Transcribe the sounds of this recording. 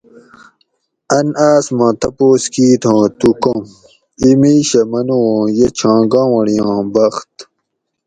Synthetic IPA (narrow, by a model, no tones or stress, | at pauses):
ɐnaːsmɐ̃t̪ɐpoːskiːt̪ʰõːt̪ukõm | imiːɕɐmɐnuwõːjet͡ɕʰãːɡãːwɐɽijãːbɐxt̪